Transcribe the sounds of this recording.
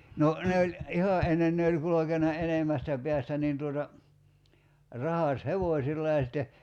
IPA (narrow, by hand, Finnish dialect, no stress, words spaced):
no ne olʲ ihɑ ʔenːen ne olʲ kulokenɑ enemːæstæ peæstæ niːn tuotɑ rɑhɑsheʋoˑsʲilːɑ jɑ sitːe